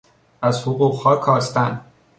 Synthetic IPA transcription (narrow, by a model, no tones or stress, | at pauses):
æzhoɣuːɣhɒːkʰɒːst̪æn